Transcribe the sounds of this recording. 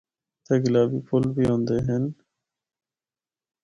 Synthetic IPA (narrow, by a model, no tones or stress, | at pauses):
t̪ʰeːɡɪlaːbiːpʰʊlbiːɦõːnd̪eːɦən